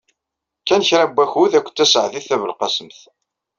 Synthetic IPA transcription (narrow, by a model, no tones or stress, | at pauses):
kːænçɾæbæxuðækʷːt͡s̪ːæsʕθiθævəlqɑsəmθ